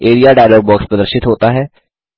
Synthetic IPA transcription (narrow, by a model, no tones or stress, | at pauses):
eːɾijaːɖaːjlɔːɡ̚bɔːkspɾəd̪əɾʃɪt̪ɦoːt̪aːɦɛː